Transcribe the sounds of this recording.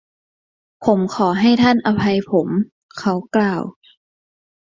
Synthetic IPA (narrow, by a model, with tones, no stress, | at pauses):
pʰo˩˦mkʰɔː˩˦ɦa˥˩jt̪ʰa˥˩nʔa˧pʰa˧jpʰo˩˦m | kʰa˦˥wklaː˧˩w